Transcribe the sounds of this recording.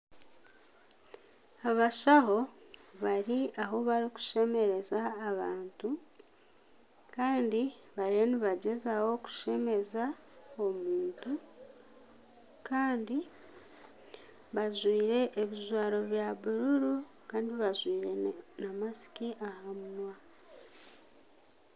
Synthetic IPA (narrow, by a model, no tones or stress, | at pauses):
aβaʃaɦo̞ | βaɾiaɦo̞βaɾiku̥ʃe̞me̞ɾe̞zaːβaːntu | kaːndi | βaɾieniβaɟe̞zawo̞ku̥ʃe̞me̞za | omuːntu | kaːndi | βazwiːɾe̞ʔːβizwaːɾo̞βjaβuɾuɾu | kaːndiβazwiːɾenamasi̥kiʔahamunwa